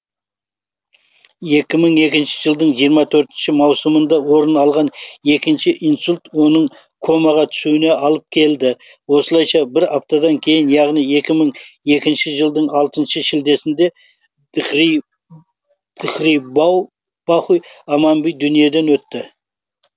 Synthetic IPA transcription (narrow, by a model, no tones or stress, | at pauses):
je̞kʲɪməɴe̞kʲɪnʃɪ̥ʒəlˠd̪əɴʒijəɾmɑt̪ʰɵɾt̪ɪnʃɪmɑwsəmənd̪ɑwo̞ɾənɑlˠʁɑne̞kʲɪnʃɪʔijnsulʲt̪wo̞nəɴ | kʰo̞mɑʁɑt̪ʰʏ̥suɪne̞ɑlˠəp̚kʲʰe̞ld̪ɪ | wo̞səlˠɑjʃɑbɪɾɑp̚t̪ɑd̪ɑŋkʲʰe̞jɪnjɑʁnije̞kʲɪməɴe̞kʲɪnʃɪʒəlˠd̪əɴɑlˠt̪ənʃəʃɪld̪e̞sɪnd̪e̞ | d̪̥ɪχɾij | b̥ɑχujɑmɑmbijd̪ʏnije̞d̪e̞nwɵt̪ːɪ